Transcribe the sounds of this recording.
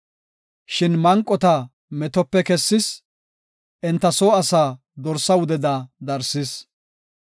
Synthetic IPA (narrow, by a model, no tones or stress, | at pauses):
ʃɪnmɐŋkʼːɔt̪ɐ | mɛt̪ɔpːɛkɛsːɪs | ʔɛnt̪ːɐsoːɐsaː | d̪ɔɾsɐwʊd̪ɛd̪aːd̪ɐɾsɪs